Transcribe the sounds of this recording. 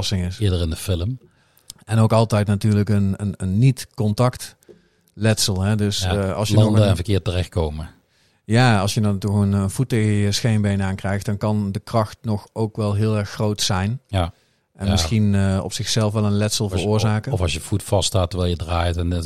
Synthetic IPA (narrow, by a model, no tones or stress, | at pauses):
sɪŋɪsɪːdəɹɪndəfɪləm | ɛnowkɑlˠtɛjtnatyːɹləkənənənːitkɔntɑkt | lɛtsəlˠɦɛdɵsɑ̰lˠsjəɔnəɛnvəkɪːtərɛxt̚kowmə | jaːɑlˠsjədɑntɔχənənvutəəsxejmbejnaːnkrɛjxt̚d̥ɑnkɑndəkrɑxtnɔxowkʋɛlˠɦɪːlˠɛɹxːrowtsɛjn | ʔɛnnmɪsxinɔ̰psɪxsɛlˠfʋɛlˠənlɛtsəlˠvərʊːɹzaːkəɔfɑlˠsjəv̥utfɑstaːtːəɹʋɛːlˠjədraːjtɛnɪ